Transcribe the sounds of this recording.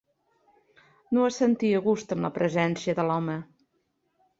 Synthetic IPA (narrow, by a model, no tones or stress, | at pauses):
noəsənt̪iəɣust̪əmləpɾʔəzɛnsiəðəlɔmə